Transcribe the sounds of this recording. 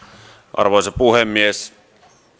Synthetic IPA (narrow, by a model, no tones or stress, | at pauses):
ʔɑ̰rʋoisɑpuhemːies